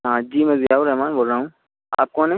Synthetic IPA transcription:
ɦãːd͡ʒiːmɛ̃ːzɪjaːuɾɛɦmaːnboːlɾaːɦũ | a̰ːp̚kɔ̃ːnẽ

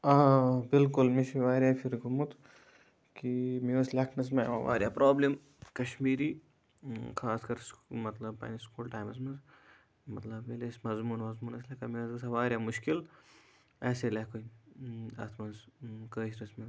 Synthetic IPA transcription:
aːbɪlkʊlmiʃiʋaːɾjaːfʰiɾɡumut̪ | kimiɐslʲaːkʰnɐs̬mɐʋɐʋa̰ːɾʲjaːpɾoːblim | kɐʃmiːɾiː | xʰaːskɐɾsmɐt̪lɐb̚pɐ̰ːniskuːlʈaːjmɐsmɐnz | mɐt̪lɐbːelesmɐzmuːnmɐzmuːnɐs̬lekɐmiɐzɡɐsɐʋaːɾʲjaːmʊʃkil | ɛːselɐːkoi | ɐ̰t̪ʰmɐnzkəːʃɾɐsmɐ

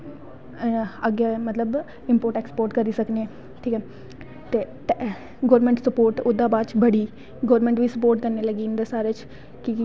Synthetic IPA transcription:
əɡjamət̪ləb | ɪ̃mpoːɾʈekspoːɾʈkəɾiːsəkne | ʈʰiːkɛː | t̪eː | ʈ | ɡoːɾmẽɳʈsɐpoːɾʈʊd̪ʱaːbaːd̪t͡ʃbəɽiː | ɡoːɾmẽɳʈʋiːsəpoːɾʈkəɾneləɡiːnd̪əsaːɾet͡ʃ | ki

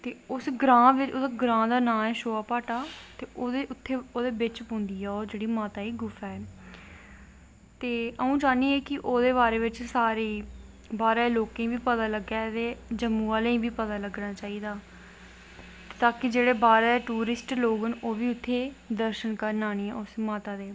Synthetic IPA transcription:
t̪eːʊsɡɾãːʋɪt͡ʃʊsɡɾãːd̪aːnãːɛːʃoːaːpaːʈaːt̪eːoːd̪eʊt̪ʰːeːoːd̪eːbɪt͡ʃpõːnd̪iːɛːoːd͡ʒeːɽiːmaːt̪aːiːɡʊfɛː | t̪eːʔəũːd͡ʒaːniːɛːkɪʔoːd̪eːβaːɾeːʋɪt͡ʃsaːɾei | baːɾɛːloːkẽːʋiːpət̪aːləɡɛːt̪eːd͡ʒəmːũːʋaːleĩːʋiːpət̪aːləɡnaːt͡ʃaːiːd̪aː | t̪aːkɪd͡ʒeːɽeːbaːɾɛːʈuːɾɪsʈloːɡənoːʋiːʊt̪ʰːeːd̪əɾʃənkəɾnaːñiːɛːʊsmaːt̪aːd̪eː

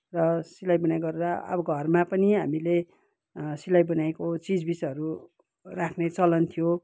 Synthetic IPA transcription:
rʌsilajbʌnajɡʌɾeɾaʌ̰bʌɡʱʌrmapʌniɦamile | silajbʌnaekot͡sid͡zbisʌɾu | rakʰnet͡sʌlʌnt̪ʰijo

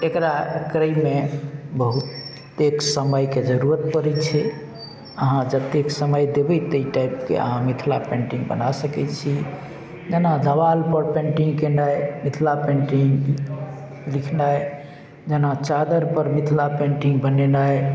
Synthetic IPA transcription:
ekɾakɾəjmːebəɦut̪ː | eksəməjked͡ʒəɾuɾət̪pəɾɛt͡ʃʰɛ | əɦãd͡ʒət̪eksəməjd̪ebɛt̪əiʈajpkḛə̰ɦãmit̪ʰla̰pẽɳʈĩŋɡbə̰nasəkɛt͡ʃʰi | d͡ʒənad̪ʱəβalpəɾpẽɳʈiŋɡkenajmit̪ʰlapẽɳʈiŋ | likʰnaj | d͡ʒənat͡ʃad̪əɾpəɾmit̪ʰlapẽɳʈiŋɡbənenaj

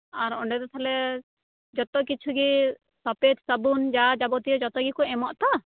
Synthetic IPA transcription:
aɾɔɳɖɛd̪ɔt̪ʰalɛ | d͡ʒɔt̪ɔkit͡ʃʰuɡi | sɔpɛd͡ʒsəbund͡ʒad͡ʒabɔt̪ijɔd͡ʒɔt̪ɔɡikɔɛmɔʔt̪a

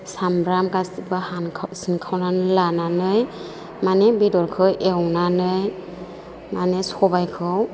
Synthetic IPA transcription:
sambɾamkasibahankʰsinkʰawnanɯlananɯj | manɛbidɔɾkʰɯjʔewnanɯj | manesɔbajkʰɯw

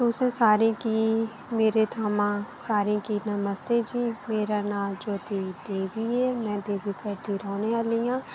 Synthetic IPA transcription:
t̪uːsẽsaːɾĩki | meːɾet̪ʰaːmãːsaːɾĩkinəməst̪ed͡ʒiːmeːɾaːnaːd͡ʒoːt̪id̪eːʋiɦɛːmɛ̃ːd̪eːʋikəɾd̪iɾɔːnealijãː

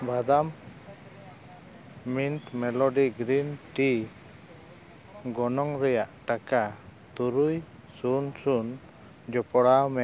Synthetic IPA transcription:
bad̪am | int̪mɛlɔɖiɡɾinʈi | ɡɔnɔŋɾɛjaʔʈakat̪uɾuj | sunsun | d͡ʒɔpɔɽawmɛ

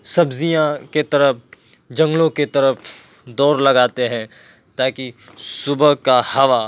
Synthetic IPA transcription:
sɐbzijãket̪ɐɾəp̚ʰ | d͡ʒɐ̃ŋɡlõket̪ɐɾəpʰ | d̪ɔːɾlɐɡaːt̪eɦɛ̃ | t̪aːki | sʊbəɦkahɐʋa

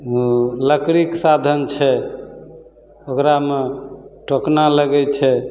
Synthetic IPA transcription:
uləkɽiksad̪ʱənt͡ʃʰɛ | okɾameʈoknaləɡɛt͡ʃʰɛ

